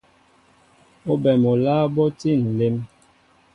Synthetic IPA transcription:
o˦bɛ˨mo˨laː˦bɔ˦ti˦˨n̩˨le˦m

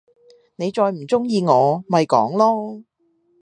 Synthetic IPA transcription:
ne˨˧jt͡ʃɔː˧jm̩˨˩t͡sʊ˥ŋjiː˨˧ŋɔː˨˧mɐ˨jkɔː˨˥ŋlɔː˥

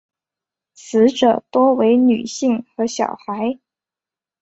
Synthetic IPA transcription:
t͡sʰɹ̩˧˥ʈ͡ʂɤ˨˩t̪wɔ˥we˧˥ɪny˨˩ɕi˥˩ŋxɤ˧˥ɕjɑ̰˨˩ʊxa˧˥ɪ

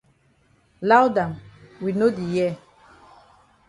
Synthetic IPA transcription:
la˦wda˨mwi˨no˦di˨jɛ˦˨

